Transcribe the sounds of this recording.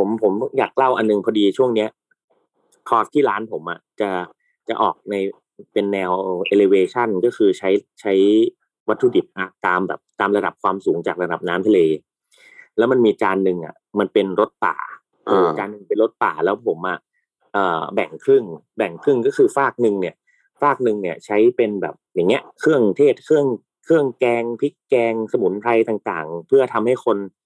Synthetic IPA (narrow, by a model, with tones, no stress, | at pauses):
pʰo˩˦mpʰo˩˦mjaː˨˩kːla˥˩wʔa˧nːɯ˨ŋpʰɔː˧diː˧t͡ɕʰu˥˩əŋni˦˥ɐ | t̪ʰɔː˧˥˩st̪ʰːiː˥˩laː˦˥npʰo˩˦mʔa˨˩t͡ɕa˨˩ | t͡ɕa˨˩ʔɔ̰ː˨˩k̚na˧j | pe˧nːɛː˧wʔe˧leː˧weː˧t͡ɕʰa˥˩nkɔː˥˩kʰɯː˧t͡ɕʰa˦˥jt͡ɕʰa˦˥j | wa˦˥t̪ʰːuː˧di˨˩p̪̚ʔaː˧˩k̚t̪aː˧mbɛ̰ː˨˩p̚t̪aː˧mɾa˧da˨˩p̚kʰwaː˧msuː˩˦ŋt͡ɕaː˨˩k̚ɾa˧da˨˩p̚naː˦˥mt̪ʰa˧leː˧ | lɛː˦˥wma˧nmiː˧t͡ɕaː˧nːɯ˨˧ŋʔa̰˨˩ | ma˧npe˧nɾo˦˥t̪̚pa̰ː˨˩ | ɯ˧t͡ɕaː˧nːɯ˧ŋpe˧nɾo˦˥t̪̚paː˨˩lɛː˦˥wpʰo˩˦mʔa̰˨˩ | ʔɤː˨˩bɛ˨˩ŋkʰɾɯ˥˩ŋbɛ˨˩ŋkʰɾɯ˥˩ŋkɔ˥˩kʰɯː˧faː˥˩k̚nɯ˧ŋni˥˩ɐ | faː˥˩k̚nɯ˧ŋni˥˩ɐt͡ɕʰa˦˥jpe˧nbɛ̰ː˨˩p̚ja˨˩ŋːi˦˥əʔkʰɾɯ˥˩əŋt̪ʰeː˥˩t̪̚kʰɯ˥˩əŋ | kʰɯ˥˩əŋkɛː˧ŋpʰi˦˥kːɛː˧ŋsa˧mu˩˦nt̪ʰa˧jt̪aː˨˩ŋt̪a̰ː˨˩ŋpʰɯ˥˩ɐt̪ʰa˧mha˥˩jkʰo˧n